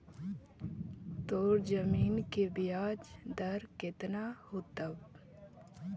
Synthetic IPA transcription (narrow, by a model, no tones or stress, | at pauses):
t̪oːɾd͡ʒəmiːnkebijaːd͡ʒd̪əɾkɪt̪nahut̪əb